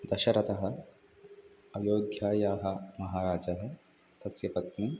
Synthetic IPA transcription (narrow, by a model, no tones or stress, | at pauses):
d̪ɐʃɐɾɐt̪ɐɦɐ̆ | ɐjoːɡʱjaːjaːɦɐ̆mɐɦaːɾaːd͡ʒɐɦe | t̪ɐsjɐpɐt̪ni